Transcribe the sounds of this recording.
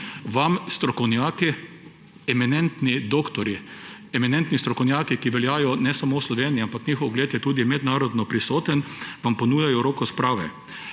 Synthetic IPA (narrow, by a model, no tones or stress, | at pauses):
ʋamst̪ɾɔkɔwnjaːki | ɛmɛnɛnt̪nid̪oːkt̪ɔɾi | ɛmɛnɛnt̪nist̪ɾɔkɔwnʲjaːkikiʋɛljaːjɔnɛsamoːwslɔʋeːniiampaknixɔwɡleːt̪jɛt̪uːd̪imɛd̪naːɾɔd̪nɔpɾisoːt̪ənʋampɔnuːjajɔɾoːkɔspɾaːʋɛ̰